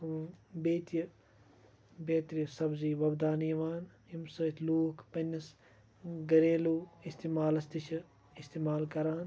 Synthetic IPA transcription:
beːt̪jɐ | beːt̪ɾijsɐbziːʋɐbd̪aːnijɐʋaːn | imsɐːt̪ʲʰluːkpɐnʲːɐs | ɡɐɾẽːluːist̪eːmaːlɐst̪iʃʰɐ | ist̪eːmaːlkɐɾaːn

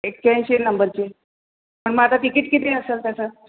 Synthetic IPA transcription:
ek̚tjãjɕenəmbəɾt͡ɕe | məɳmat̪aʈikiːʈkit̪eəseːlt̪jat͡səː

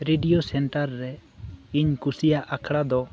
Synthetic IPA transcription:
ɾeɖijosɛɳʈaɾːɛiɲkusijaʔakʰɽad̪ɔ

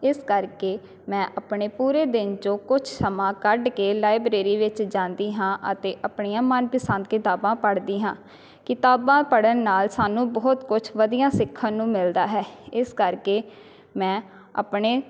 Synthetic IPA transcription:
ɪskəɾkeː | mɛ̃ːʔəpɳeːpuːɾeːd̪ɪnd͡ʒõːkʊt͡ʃʰsəmãːkəɖkeːlaːɪbɾeːɾiːʋɪt͡ʃd͡ʒãːnd̪iːɦãːʔə̰t̪eːʔəpɳijãːmənpəsãnd̪kɪt̪aːbãːpəɽd̪iːɦãː | kɪt̪aːbãːpəɽənːaːlsaːnũːbɔːt̪kʊt͡ʃʰʋəd̪ijãːsɪkʰːãːnũːmɪld̪aːɦɛːɪskəɾkeː | mɛ̃ː | a̰ːpɳeː

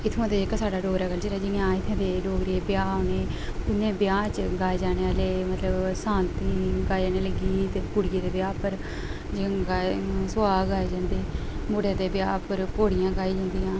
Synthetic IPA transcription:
ɪt̪ʰːũt̪eːd͡ʒekːasaːɖaːɖoːɡɾaːɡəld͡ʒeːɾaːd͡ʒɪãːɪt̪ʰːẽːd̪eːɖoːɡɾieːbɪjaːoːneː | pʊnẽːbɪjaːt͡ʃɡaːed͡ʒaːneːaːleːmət̪ləbsãːnt̪ĩːɡaːid͡ʒaːneːləɡiːt̪ekʊɽjeːd̪eːbjaːpəɾ | d͡ʒẽɡaːsʊaːɡaːed͡ʒãːnd̪eː | moːɽejãːd̪eːbɪjaːpəɾkoːɽɪjãːɡaːiːd͡ʒãːnd̪ijãː

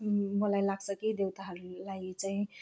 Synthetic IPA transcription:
molajlaɡsʌkid̪ewt̪aɦʌɾlait͡saĩ

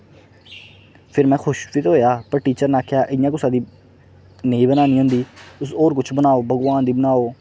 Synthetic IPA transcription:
pʰɪɾmɛ̃ːxʊʃpiːt̪ɦoːjaːpəɾʈiːt͡ʃəɾnaːkʰjaːʔɪjãːk̬ʊsãːd̪iː | neĩːbənaːniːɦʊ̃nd̪iːʊsoːɾk̬ʊt͡ʃʰbənaːoːbʱəɡʋaːnd̪iːbənaːoː

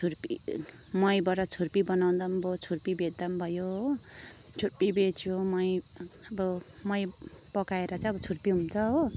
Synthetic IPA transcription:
t͡sʰurpḭ | mʌjbʌɾʌt͡sʰurpibʌnaw̃nd̪ʌmbʱot͡sʰurpibeʌmbʱʌjoɦo | t͡sʰurpibet͡sʰjomʌj | ʌbʌ | mʌj | pʌkaeɾʌt͡sãj̃ʌbʌt͡sʰurpiɦunt͡sʰʌɦo

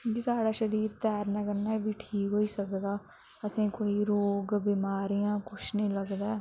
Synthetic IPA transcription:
kisaːɽaːʃəɾiːɾt̪ɛːɾnəːkəɾnaːbiːʈʰiːkɦoːiːsəkd̪aː | əsĩːkoːiːɾoːɡbiːmaːɾijãːkʊt͡ʃʰnəĩːləɡd̪aː

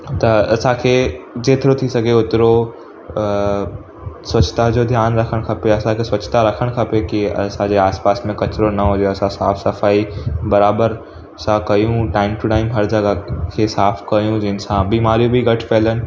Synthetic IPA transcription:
t̪ɐɐsãkʰed͡ʑeːt̪ɪɾot̪ʰisɐɡʱeʊt̪ɪɾo | sʋɐt͡ʃt̪ad͡ʑoːd̪ʱjaːnɾɐkʰəɽ̃kʰɐpoɐsãkʰesʋɐt͡ʃt̪aɾɐkʰəɽ̃kʰɐpekiɐ̰sãd͡ʑeaːspaːsmẽkɐt͡ʃɾonɐɦõd͡ʑoɐsãsaːfʰsɐfaːibɐɾaːbəɾ | ɐsãkɐjũʈaːɪmʈʊʈaːɪmɦɐɾd͡ʑɐɡakʰesaːfʰkɐjũd͡ʑɪnsãbiːmaːɾijũbʱiɡɐʈʰpeːlənɪ̆

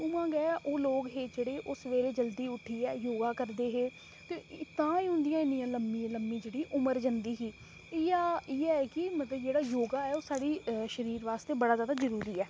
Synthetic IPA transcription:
uːmãːɡɛːʔoːloːɡɦeːd͡ʒeːɽeːʔʊsʋeːleːd͡ʒəld̪iːʊʈʰiːɛːjoːɡaːkəɾd̪eːɦeː | t̪eːt̪ãːiːɦʊ̃nd̪ɪjãːɪnijãːləmːĩːləmːĩːd͡ʒeːɽiːʔʊməɾd͡ʒənd̪iːɦiː | ɪːɪɛːɛkɪmət̪ləbd͡ʒeːɽaːjoːɡaːɛːoːsaːɽiːʃəɾiːɾʋaːst̪eːbəɽaːzjaːd̪aːzəɾuːɾiːɛː

